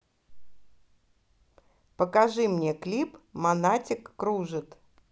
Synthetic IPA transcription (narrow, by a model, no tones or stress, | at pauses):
pəkɐʐɨmnʲeklʲipmɐnatʲɪkːɾuʐɨt̪